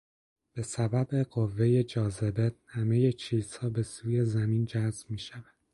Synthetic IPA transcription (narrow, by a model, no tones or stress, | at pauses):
b̥e̞sæbæbe̞ɢo̞vːe̞je̞d͡ʒɒːze̞behæme̞je̞t͡ʃʰiːz̥hɒːbe̞suːje̞zæmiːnd͡ʒæzbmiːʃævæd̪̥